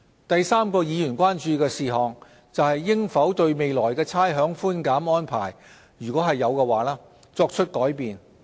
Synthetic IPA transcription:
t̪ɐ˨jsaː˥mkɔː˧jiː˨˧jyː˨˩nkʷwaː˥nt͡ʃyː˧kɛː˧siː˨˩ɦɔː˨ŋ | t͡sɐ˨whɐ˨jːɪ˥ŋfɐ˨˥wt̪ɵ˧ɥme˨jlɔː˨˩jkɛː˧t͡sʰaː˥jɦœː˨˥ŋfuː˥nkaː˨˥mɔː˥npʰa̰ː˨˩j | jyː˨˩kʷwɔː˨˥ɦɐ˨jːɐ˨˧wkɛː˧waː˨˥laː˥ | t͡sɔː˧k̚t͡ʃʰɵ˥t̚kɔː˨˥jpiː˨n

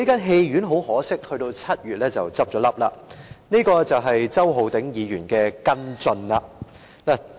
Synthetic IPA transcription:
e˥kaː˥nɦe˧jɥyː˨˥nɦo˨˥whɔː˨˥sɪ˥k̚hɵ˧ɥt̪o˧wt͡sʰɐ˥t̚jyː˨t̚lɛː˥t͡sɐ˨wt͡sɐ˥p̚t͡ʃɔː˨˥lɐ˥p̚la̰ː˧niː˥kɔː˧t͡sɐ˨wɦɐ˨jt͡sɐ˥wɦo˨wt̪ɪ˨˥ŋjiː˨˧jyː˨˩nkɛː˧kɐ˥nt͡sɵ˧nla˧ | laː˨

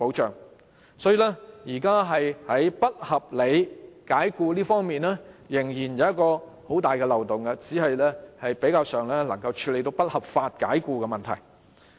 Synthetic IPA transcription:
po˨˥wt͡ʃœː˨ŋ | sɔː˨˥jiː˨lɛː˥jiː˨˩kaː˥ɦɐ˨jhɐ˨˥jpɐ˥t̚hɐ˨p̚le˨˧jkaː˨˥jkuː˧liː˥fɔː˥ŋmiː˨nlɛː˥jɪ˨˩ŋjiː˨˩njɐ˨˧wjɐ˥t̚kɔː˧ | ho˨˥wt̪aː˨jkɛː˧lɐ˨˩wt̪ʊ˨ŋɡɐ˧t͡siː˨˥hɐ˨jlɛː˥hɐ˨jpe˨˥jkaː˧wsœː˨˩ŋlɛː˥lɐ˨˩ŋkɐ˧wt͡ʃʰyː˧le˨jt̪o˧wpɐ˥t̚hɐ˨p̚faː˧t̚ka̰ː˨˥jkuː˧kɛ˧mɐ˨˩nt̪ʰɐ̰˨˩j

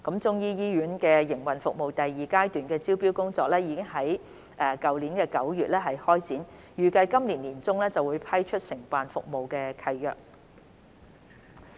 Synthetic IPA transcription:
kɐ˨˥mt͡sʊ˥ŋjiː˥jiː˥jyː˨˥nkɛː˧jɪ˨˩ŋwɐ˨nfʊ˨k̚mo˨wt̪ɐ˨jːiː˨kaː˥jt̪yː˨nkɛː˧t͡siː˥wpiː˥wkʊ˥ŋt͡sɔː˨k̚lɛː˥jiː˨˧kɪ˥ŋɦɐ˨˥j | ʔɛː˨˩kɐ˨wliː˨˥nkɛː˧kɐ˨˥wjyː˨t̚lɛː˥ɦɐ˨jhɔː˥jt͡siː˨˥n | jyː˨˩kɐ˧jkɐ˥mliː˨˩nliː˨˩nt͡sʊ˥ŋlɛː˥t͡sɐ˨wuː˨˧jpʰɐ˥jt͡ʃʰɵ˥t̚sɪ˨˩ŋpaː˨nfʊ̰˨k̚mo˨wkɛː˧kʰɐ˧jːœ̰ː˨k̚

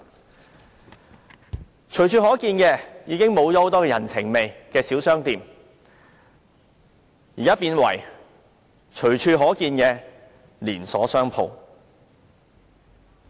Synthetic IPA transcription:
t͡ʃʰɵ˨˩ɥt͡ʃʰyː˧hɔː˨˥kiː˧nkɛː˧jiː˨˧kɪ˥ŋmo˨˧wt͡ʃɔː˨˧ho˨˧wt̪ɔː˥kɛː˧jɐ˨˩nt͡sʰɪ˨˩ŋme˨jkɛː˧siː˨˥wsœː˥ŋt̪iː˨˧m | jiː˨˩kaː˥piː˧nwɐ̰˨˩j | t͡ʃʰɵ˨˩ɥt͡ʃʰyː˧ɦɔː˨˥kiː˧njɛː˨˧ | liː˨˩nsɔ̰ː˨˥sœː˥ŋpʰo̰˨˧w

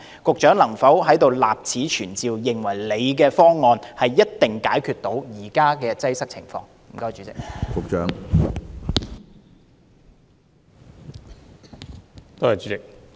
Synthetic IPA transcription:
kʊ˨k̚t͡ʃœː˨˥ŋlɐ˨˩ŋfɐ˨˥wɦɐ˨˥jt̪o˨wla̰ː˨p̚t͡sʰiː˨˥t͡ʃʰyː˨˩nt͡siː˨wjɪ˨ŋwɐ˨˩jle˨˧jk̬ɛː˧fɔː˥ŋːɔː˨˧nhɐ˨jːɐ˥t̚t̪ɪ˨ŋkaː˨˥jkʰyː˧t̚t̪o˨˥wjiː˨˩kaː˥kɛː˧t͡sɐ˥jsɐ˥k̚t͡sʰɪ̰˨˩ŋfɔ̰ː˧ŋm̩˨˩kɐ˧wt͡ʃyː˨˥t͡sɪ̰˨k̚kʊ˨k̚t͡ʃœː˨˥ŋ | t̪oː˥hɐ˨jt͡ʃyː˨˥t͡sɪ˨k̚

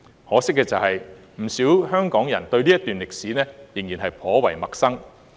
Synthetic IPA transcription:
hɔː˨˥sɪ˥kːɛː˧t͡sɐ˨whɐ˨j | m̩˨˩siː˨˥wɦœː˥ŋkɔː˨˥ŋjɐ˨˩nt̪ɵ˧ɥni˥jɐ˥t̪yː˨˩nlɪ˨k̚siː˨˥nɛː˥jɪ˨˩ŋjiː˨˩nɦɐ˨jpʰɔː˨˥wɐ˨˩jmɐ˨k̚sɐ˥ŋ

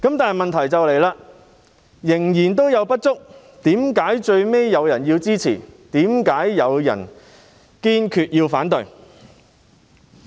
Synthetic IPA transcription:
kɐ˨˥mt̪aː˨n˩jmɐ˨nt̪ʰɐ˨˩jt͡sɐ˨wle˨˩jlaː˧ | jɪ˨˩ŋjiː˨˩nt̪o˥wjɐ˨˧wpɐ˥t̚t͡sʊ˥k̚ | t̪iː˨˥mkaː˨˥jt͡ʃɵ˧ɥme˥jːɐ˨˧wjɐ˨˩njiː˧wt͡siː˥t͡sʰḭː˨˩t̪iː˨˥mkaː˨˥jːɐ˨˧wjɐ̰˨˩n | kiː˥nkʰyː˧t̚jiː˧wfaː˨˥nt̪ɵ˨˧ɥ

